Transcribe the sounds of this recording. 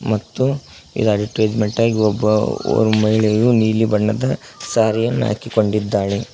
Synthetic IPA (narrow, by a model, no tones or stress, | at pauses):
mɐt̪ːu | ḭd̪aːd̪iʈːueːd͡ʒmeɳʈaːɡiɔbːɐ̰o̰ːɾumɐɦiɭɛjɐjuniːlibɐɳːɐd̪ɐ | saːɾɛjɐnːa̰ːkiko̞ɳɖid̪ːaːɭe